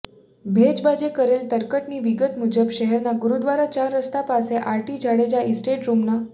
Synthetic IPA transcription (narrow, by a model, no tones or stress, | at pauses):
bʱed͡ʑbad͡ʑekəɾelt̪əɾkəʈniːʋiɡət̪m̤ud͡ʑəbɕəɦeɾnaɡuɾud̪ʋaɾat͡ɕaɾːəst̪apaseʔaɾʈiːd͡ʑʱaɽed͡ʑaisʈeʈɾumna